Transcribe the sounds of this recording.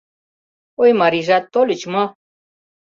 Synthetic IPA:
ojmaɾiʐat̪ːolit͡ʃmo

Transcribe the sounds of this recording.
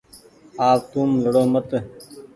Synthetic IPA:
aːp̚t̪uːmləɽoːmət̪ə

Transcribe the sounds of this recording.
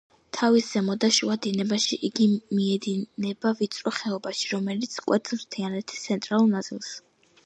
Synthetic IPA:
t̪ʰavisz̥ɛmɔd̪aʃuad̪inɛbaʃiʔiɡimiɛd̪inɛbavit̪sʼɾɔχɛɔbaʃiɾɔmɛlit̪sʰkʼwɛt̪ʰɾt̪ʰɛanɛt̪ʰi̥st̪sʰɛnt̪ʼɾalˠuɾnat̪sʼḭlˠs

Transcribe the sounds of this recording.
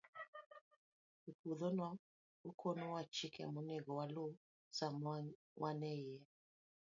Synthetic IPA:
ukuðɔnɔ | ukʰonɔwat͡ʃikɛ̰munɛɣɔwalo | sa | wʔanɛiɛ

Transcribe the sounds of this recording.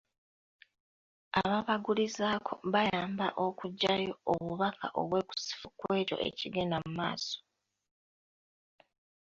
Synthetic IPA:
a̰βaβaɡulizaːkʰoβajaːmbaʔo̞kuɟːajooβuβakʰaʔo̞̰βwe̞ːku̥si̥fu̥kwe̞ːto̞̰ʔe̞̰ciɡenamuma̰ːso̥

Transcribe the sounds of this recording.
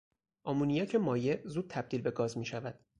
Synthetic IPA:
ʔɒmuːnijæcʰemɒːjezuːd̪̚t̪ʰæb̚d̪iːlbe̞ɡɒːzmiːʃævæd̪̥

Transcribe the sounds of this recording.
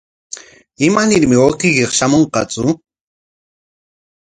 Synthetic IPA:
ɪmanɪɾmɪoqɪkeχʃamoɴqɑ̰t͡sʊ

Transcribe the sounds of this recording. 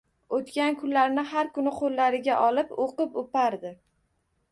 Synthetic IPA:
ot̪kʲankʰʊnlaɾnɪɦaɾkʊnɪqʰolːaɾɪɡʲaʔɒlɪpoqɨpopaɾd̪ɪ

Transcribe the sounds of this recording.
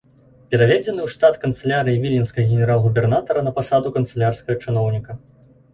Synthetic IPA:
pʲɛɾavʲɛd͡zʲɛnɨwʂt̪at̪kɐnt̪sɐlʲaɾɨjivʲilʲinskɐɣɣʲɛnʲɛɾalˠɣubʲɛrnat̪ɐɾɐnɐpasad̪ukɐnt̪sɐlʲarskɐɣɐt͡ʂɨnɔwnʲikɐ

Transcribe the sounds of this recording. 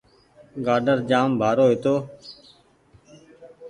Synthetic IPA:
ɡaːɖəɾd͡ʒaːmbʱaːɾoːɦɪt̪oː

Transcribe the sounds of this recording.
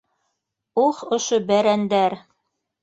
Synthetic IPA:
uχŏʃobæɾænd̪æɾ

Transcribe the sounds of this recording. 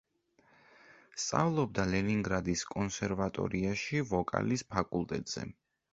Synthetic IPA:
st̪sʼa̰vlˠɔb̚d̪alɛniŋɡɾad̪iskʼɔnsɛɾvat̪ʼɔ̰ɾiaʃivɔkʼa̰lispʰakʼulˠt̪ʼɛt̪ʼz̥ɛ̰

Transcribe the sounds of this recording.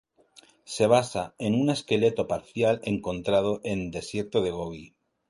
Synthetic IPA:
se̞β̞asae̞nune̞ske̞le̞t̪o̞paɾθjale̞ŋkõ̞nt̪ɾað̞oʔe̞nd̪e̞sje̞ɾt̪oð̞e̞ɣ̞oβi

